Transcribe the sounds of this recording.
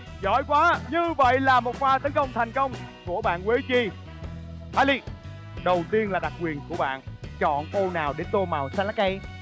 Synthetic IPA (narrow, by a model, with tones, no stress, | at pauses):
zɔ̰˧˥˦jkwaː˨˦ɲɨ˧və̰˧˨jlaː˨˩mo˨˩t̚faː˧˩t̪ə˨˦nkə˧wŋ͡mt̪ʰɛ˨˩jŋ̟kə˧wŋ͡mku˧˩əɓa̰ː˧˨nkwi˨˦t͡ɕi˧˩ | hʰaː˧jli˧ | ɗə˨˩wt̪i˧ənlaː˨˩ɗa˨˩k̚kwi˨˩ənku˧˩əɓa̰ː˧˨nt͡ɕɔ̰˧˨nko˧naː˨˩wɗe˨˦nt̪o˧maː˨˩wsaː˧laː˨˦˥ka˧j